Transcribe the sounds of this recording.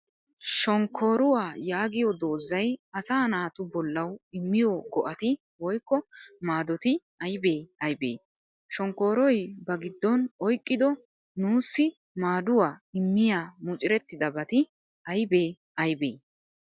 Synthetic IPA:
ʃɔŋkʰːo̞ːɾʊwaːjaːɡɪjɔd̪o̞ːzːɐjɐsaːnaːt̪ʊbɔlːɐwɪmːɪjɔɡɔʔɐt̪ɪ | wɔjkːɔmaːd̪ɔt̪ɪ | ɐjbe̞ːɐjbḛː | ʃɔŋkːo̞ːɾɔjbɐɡɪd̪ːɔnɔjkʼːɪd̪ɔ | nuːsːɪ | maːd̪ʊwaːɪmːɪjaːmʊt͡ʃʼɪɾɛt̪ːɪd̪ɐbɐt̪ɪ | ɐjbe̞ː | ɐjbḛː

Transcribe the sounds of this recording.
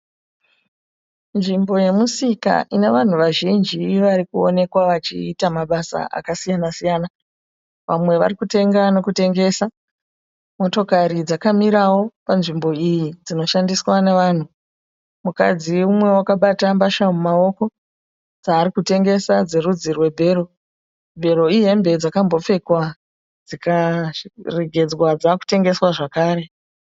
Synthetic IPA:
nʐimbo̞je̞musika̰ʔine̞ʋan̤uʋaʒind͡ʒiʋaɾikuo̞̰ne̞kwaʋat͡ʃḭːtamaɓasa̰ʔa̰kasijanasijaːna | ʋamwe̞ʋa̰rikute̞ŋɡano̞kute̞ŋɡe̞ːsa | mo̞to̞kaɾid͡zakamiɾawo̞panʐimbo̞ijid͡zino̞ʃandiswane̞ʋaːn̤u | muka̰d͡ziumwe̞wakaɓatambaʃamumao̞ko̞ | d͡zaːrikute̞ŋɡe̞sad͡zeɾud͡zirwe̞bʱe̞ːro̞ | bʱe̞ɾo̞iɦe̞mbe̞d͡zakambo̞p͡fe̞kwa | d͡zika | reɡʱe̞d͡zwad͡zaku̥te̞ŋɡe̞swaʐakaːɾe̞

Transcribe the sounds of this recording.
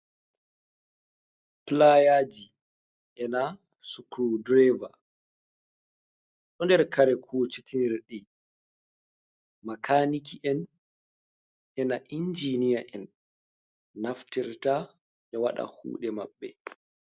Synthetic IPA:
plajaːd͡ʒi | ʔɛna | sukɾudɾɛva | ɗɔndɛɾkaɾɛkʰut͡ʃitʰiniɾɗi | makaːnikiʔɛn | ɛnaʔind͡ʒinijaʔɛn | aftiɾta | ʔɛwaɗa̰hṵːɗɛma̰ɓːɛ̰

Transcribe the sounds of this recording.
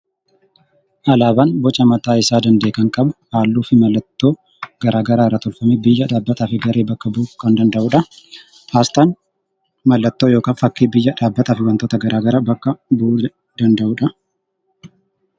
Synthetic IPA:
ʔɐlaːbaːnbɔt͡ʃʼɐmɐt̪aːɪsaːd̪ɐnd̪e̞ːkɐŋkʼɐbɐhaːlːuːfɪmɐlːɐt̪ːo̞ː | ɡ̥ɐɾaːɡɐɾaːrːɐt̪ɔlfɐmebɪjːɐᶑaːbːɐt̪aːfɪɡɐɾʔeːbɐkːɐbuːkːɐnd̪ɐnd̪ɐʔuːᶑɐ | haːst̪aːn | mɐlːɐt̪ːoːjo̞ːkaːnfɐkːiːbɪjːɐᶑaːbːɐt̪aːfɪwɐnt̪ot̪ɐɡɐɾʔaːɡɐɾaːbɐkːɐbuː | d̪ɐnd̪ɐʔuːᶑɐ

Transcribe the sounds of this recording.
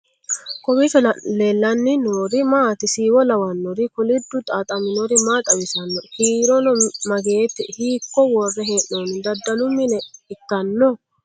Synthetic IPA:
kɔmɪfɛleːlːɐnːɪnoːɾɪmaːt̪ɪsiːwɔlɐwɐnːɔɾɪkʊlɪd̪ːʊt̪ʼaːt̪ʼɐmɪnɔɾɪmaːt̪ʼɐwɪsɐnːɔhiːɾɔnɔmɐɡe̞ːt̪ːɪhiːkːɔwɔrːɛɦeːʔnonɪd̪ɐd̪ːɐlʊmːɪnɛɪt̪ːɐnːɔ

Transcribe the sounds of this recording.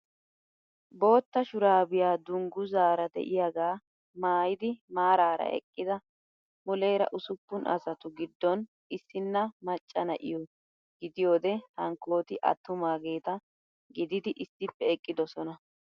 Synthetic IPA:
bo̞ːt̪ːɐʃʊɾaːbɪjaːd̪ʊŋɡʊzaːɾɐd̪ɛ̰ʔɪjaɡaː | maːjɪd̪ɪmaːɾaːɾɐ̰ɛ̰kʼːɪd̪ɐ | mʊlɛjɾɐ̰ʔʊsʊpːʊnʔɐ̰sɐt̪ʊɡɪd̪ːɔn | ɪsːɪnːɐmɐt͡ʃʼːɐnɐʔɪ̰jɔ | ɡɪd̪ɪjo̞ːd̪ɛhɐŋkːo̞ːt̪ɪʔɐ̰t̪ːʊmaːɡe̞ːt̪ɐ | ɡɪd̪ɪd̪ɪʔɪsːɪpːɛɛkʼːɪd̪ɔsɔnɐ

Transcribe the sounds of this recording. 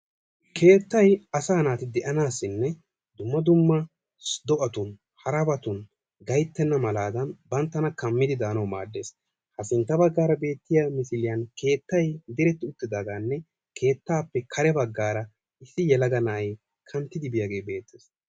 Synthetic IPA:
kʰe̞ːt̪ːɐjɐsaːnaːt̪ɪd̪ɛʔɐnaːsːɪnːɛ | d̪ʊmːɐd̪ʊmːɐ | sd̪ɔʔɐt̪ʊn | hɐɾɐbɐt̪ʊn | ɡɐjt̪ːɛnːɐmɐlaːd̪ɐnbɐnt̪ːɐnɐkɐmːɪd̪ɪd̪aːnɐwma̰ːd̪ːe̞ːs | hɐsɪnt̪ːɐbɐɡːaːɾɐbe̞ːt̪ːɪjamɪsɪlɪjɐnke̞ːt̪ːɐjd̪ɪɾɛt̪ːɪʊt̪ːɪd̪aːɡaːnːɛ | kʰe̞ːt̪ːaːpːɛkʰɐɾɛbɐɡːaːɾɐ | ɪsːɪjɛlɐɡɐnaːj | kʰɐnt̪ːɪd̪ɪbɪjaːɡe̞ːbe̞ːt̪ːeːs

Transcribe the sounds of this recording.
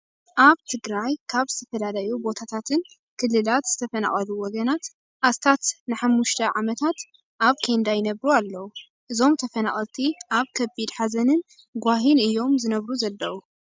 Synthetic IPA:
ʔaβt̪ʰɨɡɾajkʰaβzɨt̪ʰɐfɐlalajubo̞t̪ʰat̪ʰat̪ʰɨn | kʰɨlːɨlat̪z̥ɨt̪ʰɐfɐna̰χʼɐluwɔɡɐnat̪ | ʔast̪ʰat̪nɨħamːuʃt̪ʰɐʕamɐt̪ʰat̪ | ʔaβkʰend̪ajɪnɐβɾualːɐwu | ʔɨzo̞mt̪ʰɐfɐnaχʼɐlt̪ʰiʔaβkʰɐbid̪ħazɐnɨn | ɡʷaɦinɨjːo̞mzɨnɐβɾuzɐlːɐwu

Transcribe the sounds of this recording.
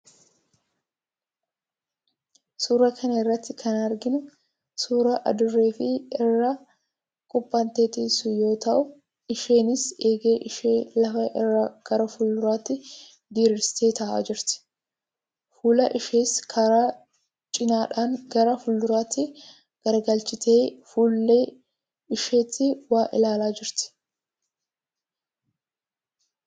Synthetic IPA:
suːɾɐkʰɐnɐɪrːɐt̪ːɪkʰɐnɐɾɡɪnʊ | suːɾɐʔɐ̰d̪ʊrːe̞ːfɪɪrːɐ | kʼʊpʼːɐnt̪e̞ːt̪ɪsʊjo̞ːt̪ɐʔʊ | ɪʃe̞ːnɪse̞ːɡe̞ːʔɪʃeːlɐfɐʔɪrːɐɡ̥ɐɾɐfʊlːʊɾaːt̪ːɪ | d̪iːɾɪɾst̪ʰe̞ːt̪a̰ːd͡ʒɪɾt̪ɪ̥ | fuːlɐʔɪʃeːskʰɐɾa | t͡ʃʼɪnaːᶑɐnɡɐɾɐfʊlːʊɾaːt̪ːɪ | ɡ̥ɐɾɐɡɐlt͡ʃʼːɪt̪ʰeːfuːlːe | ɪʃe̞ːt̪ːɪwaːʔɪlaːlaːd͡ʒɪɾt̪ɪ̥

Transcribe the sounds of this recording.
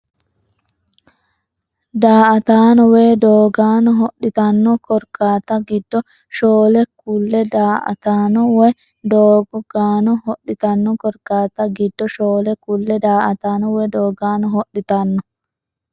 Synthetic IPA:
d̪aːʔɐt̪aːnɔweːd̪oːɡaːnɔɦɔɗɪt̪ɐnːɔkɔɾkaːt̪ɐɡɪd̪ːɔ | ʃoːlɛkːulːɛd̪aːʔɐ̰t̪aːnɔwɔj | d̪oːɡɔɡaːnɔhɔɗːɪt̪ɐnːɔkɔɾkːaːt̪ɐɡɪd̪ːɔʃoːlɛkʊlːɛd̪aːʔɐt̪aːnɔwed̪oːɡaːnɔɦɔɗɪt̪ɐnːɔ

